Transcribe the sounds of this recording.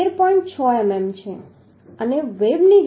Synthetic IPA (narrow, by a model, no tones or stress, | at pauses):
eɾpɔĩɳʈ̚t͡ʃʰɔɛmɛmt͡ʃʰe | əneʋebnid͡ʒ